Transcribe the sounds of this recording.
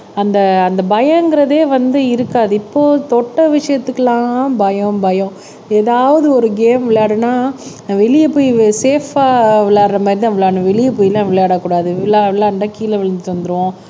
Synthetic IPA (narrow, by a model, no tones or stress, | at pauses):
ɐnd̪ɐɐnd̪ɐbɐjɐ̃ɛŋɡɪɾɐðeːʋɐnd̪ɯɪɾɯkːaːðɯɪpːoːt̪ɔʈːɐʋɪʂɐjɐt̪ːɯkːɐlãːbɐjɐ̃bɐjɐ̃ | eːðaːʋɐðɯɔɾɯɡeːmʋɪɭjaːɽɯnaː | ʋɛɭɪjɐpoːjseːfaːʋɪɭaːɾɾɐmaːd̪ɾɪt̪ãʋɪɭːaːnɯ̃ʋɛɭɪjɐpoːjɪlãːʋɪɭjaːɽaːkuːɽaːðɯɪɭːaːʋɪɭːaːɳɖãːkiːlɐʋɪɭɐnd̪t͡ʃɐnd̪ɯɾɯʋõ